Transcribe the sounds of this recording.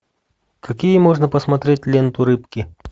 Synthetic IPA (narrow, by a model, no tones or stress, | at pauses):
kɐkʲijəmoʐnəpəsmɐt̪ɾʲetʲlʲent̪ʊɾɨpkʲɪ